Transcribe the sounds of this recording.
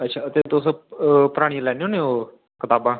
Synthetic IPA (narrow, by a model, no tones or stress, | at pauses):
ətːʃʰaːət̪eːt̪ospəɾaːɽ̃iːlɛːneõːneːoː | kɪt̪aːbãː